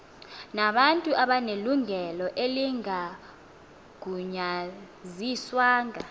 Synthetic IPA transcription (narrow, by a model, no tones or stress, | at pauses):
naɓantʼuʔaɓaneluŋʱɛlɔʔeliŋa | ɡ̥ʱuɲa | ziswaːŋa